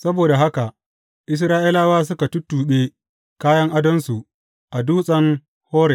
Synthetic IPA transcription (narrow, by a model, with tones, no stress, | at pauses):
sɐ˦boː˨da˨ɦa˦ka˨ | ʔɪ˦s̬ɾaː˦ʔi˦laː˦waː˦s̬ʊ˦ka˨tʊ˦tːuː˨ɓe˦ | kaː˦jɐ˦ŋʔa˦dɐ˦nsu˨ | ʔa˨duː˦sʼɐ˦ŋ | hoː˦ɾe˨